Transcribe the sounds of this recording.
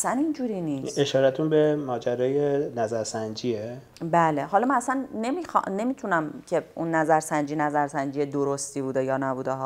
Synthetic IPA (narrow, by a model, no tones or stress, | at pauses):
sænind͡ʒuːɾiniːseʃɒːɾæt̪ʰunbemɒːd͡ʒæɾɒːjenæzæɾsænd͡ʒiːe | bæːleɦɒːlɒmænæsænːe̞miːxne̞miːt̪ʰunæmcʰe̞unːæzæɾsænd͡ʒinæzæɾsænd͡ʒijed̪oɾost̪iːbuːd̪ejɒːnæbuːd̪eɦɒː